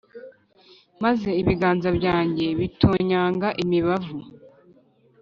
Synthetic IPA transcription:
maze̞iβiɡaːnzabɟaːɲɟe̞βitoɲaːŋɡaʔimiβavu

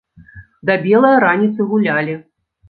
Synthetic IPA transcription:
d̪ɐbʲɛlˠɐjɐɾanʲit̪sɨɣulʲalʲi

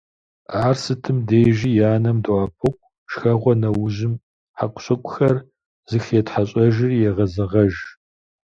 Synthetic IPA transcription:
aːrsɨtʰɨmdeːʒijaːnɐmdaːpʰɨkʷʼ | ʃxɐʁʷɔnɐwʊʑɪm | ħakʷʊɕʼɐkʷʼʊxɐr | z̥ɨxeːtħaɕʼɐʒɪrjɛʁɐzɐʁɐʒ

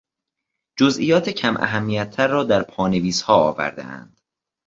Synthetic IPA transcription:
d͡ʒozʔḭjɒːt̪ʰecʰæmʔæ̰ɦæmːijæt̪ʰːæɾːɒːd̪æɾpʰɒːne̞viːshɒːɒ̰ːvæ̰ɾd̪ḛæ̰nd̪̥

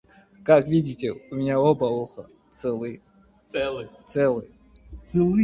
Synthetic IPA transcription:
kakʰvʲidʲitʰʲɛumʲinaɔbɐɔχɐ̰ | t͡sʰɛlˠɨjʼ | ɛɨt͡sʰɛlˠɨj | t͡sʰɨlˠɨ

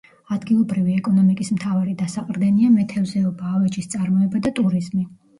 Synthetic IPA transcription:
ad̪ɡilˠɔbɾiviɛkʼɔnɔmikʼismt̪ʰavaɾid̪asaqʼɾd̪ɛniamɛt̪ʰɛvzɛɔbaːvɛt͡ʃʼist̪sʼaɾmɔɛbad̪at̪ʼuɾizmi

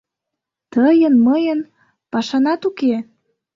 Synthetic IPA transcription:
t̪əjənməjə̆n | pɑʃɑnɑt̪uke

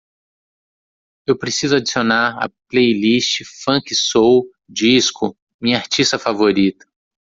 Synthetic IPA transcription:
ewpɾesizʊad͡ʒisionaɾɐ̰plejlist͡ʃɪfɐ̃kɪsow | d͡ʒiskʊ | mĩɲɐaɾt͡ʃist̪ɐfavoɾit̪ɐ̥

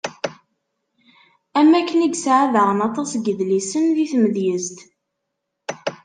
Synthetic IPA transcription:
æmːækːəniɡsʕaðəʁənɑt̪ˤɑsɡəðlisənðiθməðjəzt̪

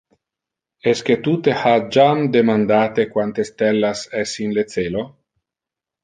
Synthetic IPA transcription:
ɛsket̪ut̪ehad͡ʒamd̪emand̪aːt̪ekwant̪est̪ɛlːasɛsinlet̪seːlo

